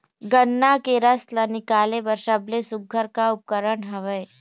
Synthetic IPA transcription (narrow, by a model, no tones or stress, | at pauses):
ɡənːakeɾɐslənɪkaːlebəɾʃɐblesʊɡʱːəɾkaʊp̚kəɾəɳɦɐʋəe